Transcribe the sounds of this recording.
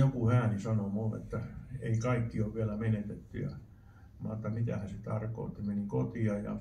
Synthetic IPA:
jokuhæːnisɑnomulːḛt̪ːæḛikɑikːioʋʋiælæmenet̪et̪ːy̰jɑ̰ | ʋɑ̰ːet̪ːɑmit̪æhæset̪ɑrko̰ˑːt̪ːimenikot̪iɑjɑ̰

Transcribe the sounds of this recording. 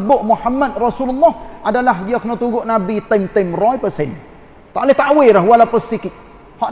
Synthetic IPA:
bʊʔmuħamːad̪̚rasululːɔhʔadalaɦdiakunot̪uɡʊʔnabit̪ɪmt̪əmrɔjpəsɪn | t̪aʔlɪht̪aʔwɪɾaɦwalapəsikiʔ | hɔʔ

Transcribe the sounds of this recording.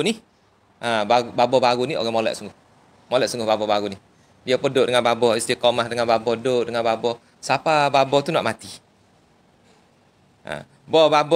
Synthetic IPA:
ni | ʔabaɡubabɔbaɡunio̰ɡaŋmolɛ̰ʔsuŋɡʊh | molɛʔsuŋɡʊɦbabɔbaɡunih | diapədʊʔdəŋanbabɔist̪ikɔmahdəŋanbabɔhdoʔdəŋanbabɔ | sapababɔht̪una̰ʔmat̪i | ʔã̰ | bɔbabɔ

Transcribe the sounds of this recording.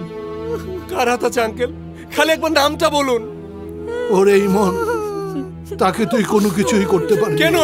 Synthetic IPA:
kaɾɦat̪at͡ɕaŋkel | kʰaliɛk̚band̪amʈabolun | oɾejmon | t̪aket̪ujkonokit͡ɕʰuikoɾt̪epaɾkɛno

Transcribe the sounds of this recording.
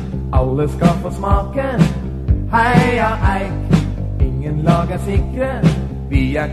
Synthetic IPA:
ʔɑlːəskɑlfoːsmɑːkə | hæɪɑʔæɪk | ɪŋːənlɑːɡəsɪŋkɾə | ʋiæ

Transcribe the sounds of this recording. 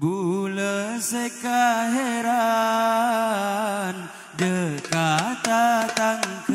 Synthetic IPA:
buləsekaɦeɾa | n | dəkat̪at̪aŋk

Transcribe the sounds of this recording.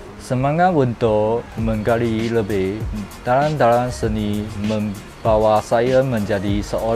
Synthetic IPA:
səmaŋatwunt̪ɔməŋɡaliləbehd̪̥aland̪alansəniməm | b̥awasajəməɲd͡ʒadisəʔo

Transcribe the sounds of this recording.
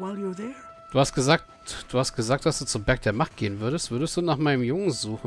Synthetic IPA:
waɪlˠjəðɛ | d̥uːhastɡ̥əzaːk̚ | d̥uːhast̚ɡ̥əzaːk̚d̥asd̥uːt͡sʊbɛɐk̚d̥eːɐmaχt̚ɡ̥eːənvʏɐɾəstv̥ʏɐɾəstd̥uːnaːχmaɪnəmjʊŋənzuːχ

